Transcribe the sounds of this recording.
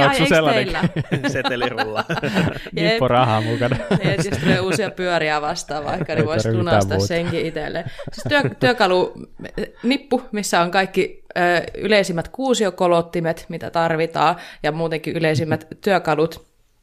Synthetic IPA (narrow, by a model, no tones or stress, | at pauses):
ɑjeelːɑlːæset̪lrulːɑ | njieurɑhɑmukɑneest̪uleiusiɑpyøɾiæʋɑst̪ɑːʋʋɑ̰ikːɑneʋoislunɑst̪ɑsseŋkiit̪ḛlːḛsist̪yøt̪yøkɑlu | nipːumisːæoŋkɑikːiəːy̰leisimːæt̪kuːsiokolot̪ːimet̪mit̪æ̰t̪ɑrʋit̪ɑːjɑmuːt̪eŋkiyleisimːæt̪t̪yøkɑlut̪